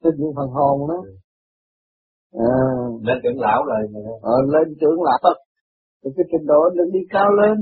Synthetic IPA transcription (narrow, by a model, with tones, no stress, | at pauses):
t̪ə˧ɲɨ̰˧˨˦fə˨˩nɦo˨˩ŋɗɔ˨˦ | ʔəː˨˩le˧nt̪ɨ̰˨˧˨əŋla̰ː˧˨˦wzoː˨˩jʔəː˨˩le˧nt̪ɨ̰˧˨˦əŋla̰ː˧˨˦w | ti˨˩kaː˨˦jt̪ï˨˩ŋ̟ɗo˧˨˦lɨ˨˧˦ŋɗi˧kaː˧wle˧n